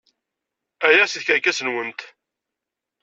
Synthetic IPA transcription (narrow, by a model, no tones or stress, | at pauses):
æjæsiðçəɾkæsənwənt̪